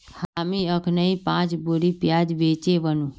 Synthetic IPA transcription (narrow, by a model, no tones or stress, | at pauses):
haːmiəkʰnəipãːt͡ʃboɾipjaːd͡ʒʋeːt͡ʃeʋənũ